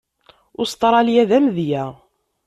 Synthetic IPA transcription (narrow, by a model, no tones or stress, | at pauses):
ʊst̪ˤɾˤɑljæðæmðjæ